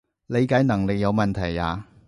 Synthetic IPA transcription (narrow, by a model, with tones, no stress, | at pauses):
le˨˧jka˨˥jnɐ˨˩ŋle˨˧jɐ˨˧wmɐ˨nt̪ʰɐ˨˩ja̰ː˨˧